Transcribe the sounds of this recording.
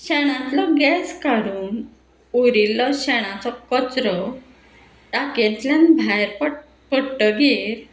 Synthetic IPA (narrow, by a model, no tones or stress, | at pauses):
ɕɛɽ̃ãt̪lɔɡɛskaɾuːn | uɾilːɔɕɛɽ̃ãt͡sɔkɔt͡sɾɔ | ʈaket̪ljãnbʱajɾpə | pəɽʈəɡeɾ